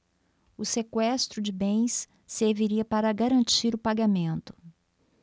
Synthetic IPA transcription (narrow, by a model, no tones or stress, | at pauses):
ʊsekwɛst̪ɾʊd͡ʒɪbẽj̃sː | eɾviɾiɐpaɾɐɡaɾɐ̃nt͡ʃiɾʊpaɡamẽnt̪ʊ̥